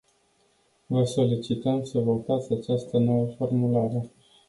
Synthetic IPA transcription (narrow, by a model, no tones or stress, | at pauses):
vəso̞lit͡ʃit̪əmsəvo̞t̪at̪sʲat͡ʃast̪əno̞wəfo̞rmulaɾe̞